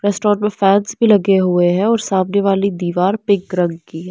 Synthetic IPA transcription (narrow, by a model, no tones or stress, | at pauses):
ɾɛːsʈɔːɾʈmẽfɛːnsbʱilɐɡeɦueɦɛ̃ɔːɾsaːbneʋaːlid̪iːʋaːɾpɪkɾɐ̃ŋɡkiɦɛ